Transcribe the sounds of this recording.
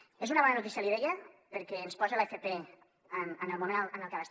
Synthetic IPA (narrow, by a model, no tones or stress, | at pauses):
ezunɐβɔnənut̪isialiβejəpəɾkɛːnspɔzelefep̪e | mənəlˠmumenənəlˠkelas